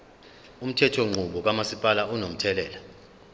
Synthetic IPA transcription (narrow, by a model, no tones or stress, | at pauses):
um̩tʰɛtʰɔŋ͡ǃʱuɓɔk̬amasipʼalaunom̩tʰɛlɛːla